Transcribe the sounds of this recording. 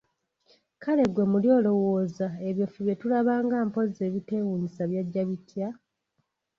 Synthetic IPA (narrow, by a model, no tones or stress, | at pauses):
kale̞ɡwe̞muljo̞ːlo̞wo̞ːzaeβjofuβje̞tulaβaːŋɡaːmpo̞ze̞ːβite̞wuɲisaβjaɟːaβitja